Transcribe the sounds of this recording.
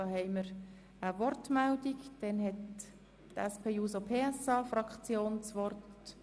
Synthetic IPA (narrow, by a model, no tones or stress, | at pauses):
ɑhɛɪməɾ | əvɔrtmældiɡd̥ɛnɦɛt | tɛspʰeːjuːsopʰeːɛsɑːfrɑkt͡sjoːnt͡sʋɔrt